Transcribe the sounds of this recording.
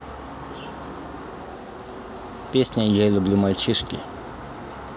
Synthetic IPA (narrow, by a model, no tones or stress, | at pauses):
pʲisʲnʲɐjɛlʲʊblʲumɐlʲt͡ʃɪʃkʲɪ̰